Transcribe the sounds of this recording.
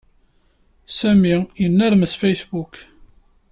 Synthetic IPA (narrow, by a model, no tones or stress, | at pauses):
sæmijənːəɾməsfejsbuk